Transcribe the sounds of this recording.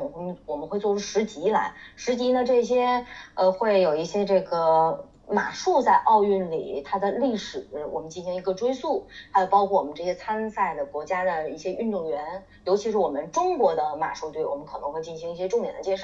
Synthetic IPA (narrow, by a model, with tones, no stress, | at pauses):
wɔ˨˩mə˦nxwe˧t͡swɔ˥˧˩ʈ͡ʂʰu˥ʂɻ̩˧˥t͡ɕi˧˥la̰˧˥ɪʂɻ̩˧˥t͡ɕi˧˥nə˧ʈ͡ʂɤ˥˩ɕ̬jɛ˥ə˧xwe˥˩ɪjo˨˩ʊi˥˩ɕjɛ˥ʈ͡ʂɤ˥˩ɡə˩ | ma̰˨˩ʂu˥˧t͡sa˥˧ɪʔɑ˥˧ʊy˥˩nlḭ˨˩t̪ʰa˥d̪ə˨li˥˩ʂɻ̩˨˩˥wɔ̰˨˩mə˦nt͡ɕi˥˩nɕi˧˥ŋi˧˥ɡə˧ʈ͡ʂwe˥ɪsu˥˩xa˥jo˨˩ʊpɑ˥ʊkʰwɔ˥˩wɔ˨˩mə˦nʈ͡ʂɤ˥˩ɕjɛ˥t͡sʰa˥nsa˥˩ɪd̪ə˩kwɔ˧˥t͡ɕja˥d̪ə˨i˥˩ɕjɛ˥ʔy˥˧nt̪ʊ˥˩ŋɥɛ˧˥n | jo˧˥ʊt͡ɕʰi˧˥ʂɻ̩˥˩wɔ˨˩mə˦nʈ͡ʂʊ˥ŋkwɔ˧˥d̪ə˧ma̰˨˩ʂu˥˧t̪we˥˩ɪwɔ̰˨˩mə˦nkʰɤ˨˩nɤ˧˥xwe˧ɪt͡ɕi˥˩nɕi˧˥ŋi˥˩ɕjɛ˥ʈ͡ʂʊ˥˧ŋjɛ˨˩nd̪ə˦t͡ɕjɛ˥˧nʂ